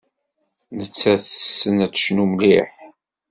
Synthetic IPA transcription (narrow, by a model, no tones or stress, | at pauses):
nət͡sːæθəsːənæt͡sːə̥ʃnumliħ